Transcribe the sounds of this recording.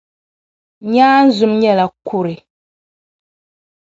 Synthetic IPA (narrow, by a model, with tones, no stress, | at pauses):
ɲaː˦n̩˦zʊ˨mɲɛ˦la˨ku˦ɾɪ˨